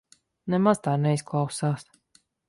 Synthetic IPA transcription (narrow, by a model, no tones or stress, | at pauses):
nɛmaz̥t̪aːnɛisklˠawsaːs